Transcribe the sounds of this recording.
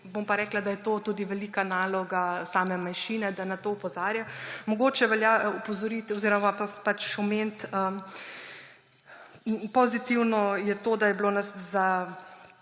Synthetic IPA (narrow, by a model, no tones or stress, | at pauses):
bompaɾɛːklad̪ajɛt̪oːt̪uːd̪iʋɛlikanaːlɔɡasaːmɛmanʃiːnɛd̪anat̪oːɔpɔzaːɾjamɔɡoːt͡ʃɛʋɛljaupɔzɔɾit̪ɔziɾɔmaapat͡ʃɔment̪ə | pɔzit̪iwnɔjɛt̪oːd̪ajɛbloːnasza